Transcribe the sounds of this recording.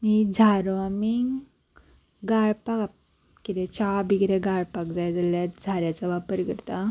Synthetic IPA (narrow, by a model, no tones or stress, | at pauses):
mid͡zʱaɾʋamiŋɡ | ɡaɭpak | kit̪et͡ɕabʱiɡɾẽɡaɭpakd͡zajd͡zaljat̪d͡zʱaɾjat͡saʋapəɾɡə̰ɾt̪a